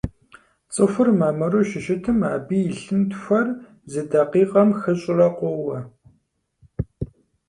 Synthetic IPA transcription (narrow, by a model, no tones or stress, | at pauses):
t͡sʼɨxʷʊrmaːmɐroʃɪʃɪtʰɨma̰ːbiːjɪɬɨntxʷɐr | zɨdɐqiːqɐmxɨɕʼɪrɐqʷɔwɐ